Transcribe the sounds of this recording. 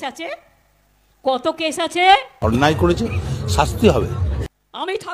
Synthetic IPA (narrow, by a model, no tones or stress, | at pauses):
at͡ɕʰe | kɔt̪okeʃat͡ɕʰeɔnːajkoɾet͡ɕʰeʃast̪iɦɔbḛ | amit̪ʰa